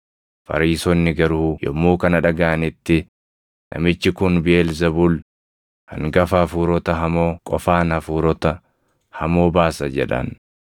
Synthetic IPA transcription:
fɐ̰ɾiːsɔnːɪɡɐɾʊjɔ̰mːuːkɐnɐᶑɐɡaʔɐnɪt̪ːɪ | nʔɐ̰mɪt͡ʃːɪkʊnbɪeːlzɐbuːl | hɐ̰ŋɡɐfafuːɾɔt̪ɐɦɐmoːkʼɔfaːnhɐfuːɾɔt̪ɐ | hɐmo̞ːbaːsɐd͡ʒɛ̰ᶑɐ̰n

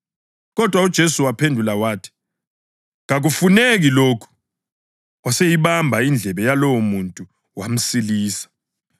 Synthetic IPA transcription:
k̬ɔd̥ʱwaud̥ʒ̥ʱesuwapʰendʱulawaːtʰi̥ | ŋak̬ufunek̬iloːkʰu̥ | asejiɓambʱaind͡ɮʱɛɓɛjalowɔmuntʼu | wam̩siliːsḁ

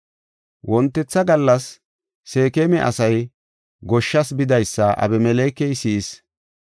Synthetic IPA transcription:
wʔɔnt̪ːɛt͡sːɐɡɐlːɐsː | e̞ːkemɛʔɐ̰sɐj | ɡɔʃːɐsbɪd̪ɐjsːɐʔɐ̰bɛmɛleːkːɛjsiːs

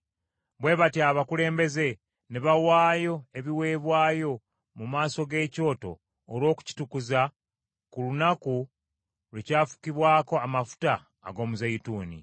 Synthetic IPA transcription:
βwe̞ːβatjaβakule̞ːmbe̞ze̞ | neβawaːjo̞e̞βiwe̞ːβwaːjo̞ | mumaːso̞ɡe̞ːco̞ːto̞̰ː | lwo̞ːku̥ci̥tukuza | kulunaku | lecaːfu̥kiβwaːko̞amafu̥ta̰ː | ɡo̞ːmuzajituːnḭ

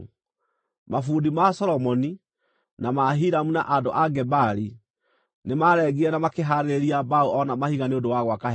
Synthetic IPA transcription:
mafuːdimasɔɾɔmɔni | namaɦiɾamuna̰ʔadoʔaɡɛbaɾi | nemaɾɛɣiɛnamakeɦaɾeɾeɾiabauɔnamahiɣaneodowaɣwaka

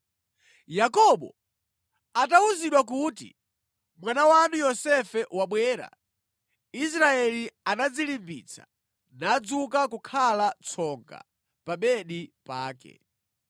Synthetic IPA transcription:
jakɔɓɔ̰ | atauziɗwak̬utḭ | mwanawanujɔsɛfɛwaɓwɛːɾa̰ | is̬ɾaɛlianad͡zilimbḭt͡sʰḁ̰ | naːd͡zuk̬akukʰalat͡sʰɔŋɡa̰ | pamɛɗipa̰ːkɛ̰

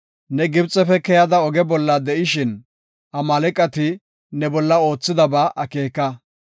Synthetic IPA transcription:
nɛɡɪbt͡sʼːɛfɛkɛjɐd̪ɐɔɡɛbɔlːɐd̪ɛʔɪʃɪn | ʔɐmɐlɛkʼːɐt̪ɪ | nɛbɔlːɐo̞ːt͡sːɪd̪ɐbaːʔɐke̞ːkːɐ

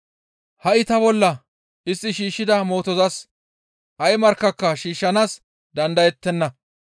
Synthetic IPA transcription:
hɐʔɪt̪ɐbɔlːɐ | ʔɪsːɪʃiːʃːɪd̪ɐmo̞ːt̪ɔzɐs | ʔɐjmɐɾkːɐkːɐʃiːʃːɐnaːs | d̪ɐnd̪ɐjɛt̪ːɛnːɐ

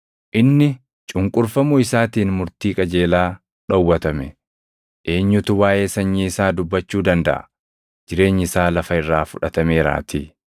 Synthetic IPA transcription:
ʔɪnːɪ | t͡ʃʼʊŋkʼʊɾfɐmʊɪsaːt̪iːnmʊɾt̪iːkʼɐd͡ʒe̞ːlaː | ᶑɔwːɐt̪ɐmɛ | ʔeːɲːʊt̪ʊwaːʔe̞ːsɐɲːiɪsaːd̪ʊbːɐt͡ʃːuːd̪ɐnd̪ɐ̰ʔɐ̰ | d͡ʒɪɾe̞ːɲːɪsaːlɐfɐɪrːaːfʊᶑɐt̪ɐmeːɾa̰ːt̪ʰiː

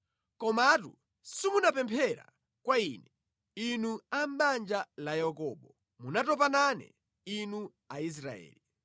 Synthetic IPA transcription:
kɔmatṵ | simunapɛmpʰɛɾa̰ | kwaiːnɛ | inuam̩ɓand͡ʒalajakɔɓɔ | munatɔp̬ananɛ̰ | inu | ais̬ɾa̰ɛ̰ːli

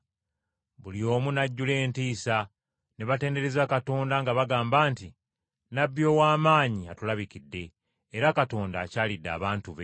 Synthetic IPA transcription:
βulio̞ːmunaɟːule̞ːntiːsa | neβate̞ːnde̞ɾe̞zakato̞ːndaŋɡaβaɡaːmbaːnti | nabːjo̞ːwaːmaːɲiatulaβikidːe̞ː | ɾakato̞ːnda̰ːcaːlidːa̰ːβaːntuβe̞

